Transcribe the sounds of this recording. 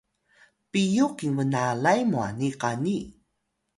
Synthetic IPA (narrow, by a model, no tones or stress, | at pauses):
pijukiŋvənalajmua̰niqani